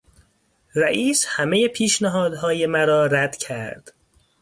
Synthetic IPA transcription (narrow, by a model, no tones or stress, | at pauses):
ræʔiːshæmejepʰiːʃnæɦɒːd̪hɒːje̞mæɾɒːɾæd̪̥cʰæɾd̪̥